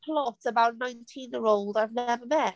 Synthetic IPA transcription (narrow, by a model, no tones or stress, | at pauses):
pʰlɔtsəbaʊʔnãɪ̃ntʰĩnjɛɹoʊlˠdaɪvnɛvəmɛʔ